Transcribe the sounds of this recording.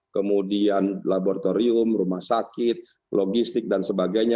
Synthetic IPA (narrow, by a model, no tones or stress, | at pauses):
kəmudianlaboɾat̪oɾiʊmrumahsakɪt̪̚ | loɡist̪ɪk̚dansəbaɡajɲa